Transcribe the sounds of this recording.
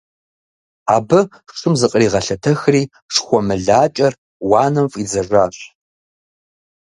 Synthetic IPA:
aːbɨ | ʂɨmzɨqʼriːʁɐɬɐtʰɐxriː | ʂxʷɔmɨɮaːt͡ʃʼɐr | wɑːnɐmfʼid͡zɐʒʷaːɕ

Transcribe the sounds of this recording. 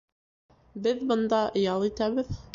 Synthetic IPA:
bɘðbɤ̆nd̪ɑʔjɑlˠit̪æβɘð

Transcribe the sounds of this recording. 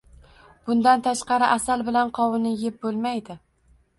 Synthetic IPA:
b̥ʊnd̪ant̪ʰaʃqɑɾɪʔasalbɪlanqʰɒwɪnɪjep̚bolˠmajd̪ɪ

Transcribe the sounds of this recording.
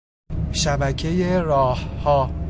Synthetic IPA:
ʃæbæcʰe̞jeɾɒːhhɒː

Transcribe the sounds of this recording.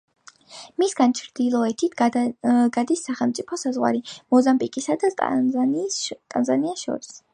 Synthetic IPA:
misɡant͡ʃʰɾd̪̥ilˠɔɛt̪ʰit̪ʰ | ɡad̪isːaχɛlˠmt̪sʼipʰɔsazʁwa̰ɾimɔzampʼikʼisad̪a | t̪ʼanzaniaʃɔ̰ɾis

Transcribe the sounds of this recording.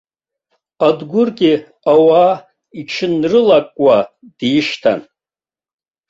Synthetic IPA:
adɡʷʊrɡʲi | awaː | iʈ͡ʂʰɨnrɨlakʼwa | d̥iʂtʰa̰n

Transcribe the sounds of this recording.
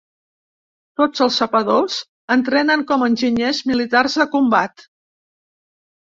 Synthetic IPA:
t̪od͡zəlˠsəpəðoz | ənt̪ɾɛnəŋkɔmənʲʒiɲezmilit̪arzðəkumbat̪

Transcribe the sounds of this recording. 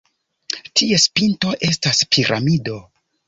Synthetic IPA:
tie̞spinto̞ʔe̞staspʰiɾʔa̰mido̞

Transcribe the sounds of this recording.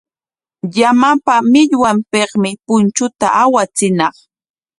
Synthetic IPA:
jamapamɪʎwampeχmɪpʊnt͡ʃʊt̪a̰ʔawat͡sɪnɑχ

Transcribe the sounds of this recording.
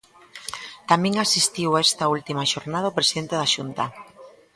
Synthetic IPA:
t̪amẽŋasist̪iwaɛst̪ɐult̪imaʃoɾnaðaopɾesiðent̪eðaʃunt̪ɐ

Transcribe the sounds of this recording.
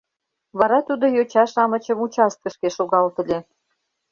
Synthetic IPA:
βɑɾɑt̪ud̪ojot͡ɕɑʃɑmə̆t͡ɕə̆mut͡ɕɑst̪̚kə̆ʃkeʃoɣɑlt̪ə̆lʲe

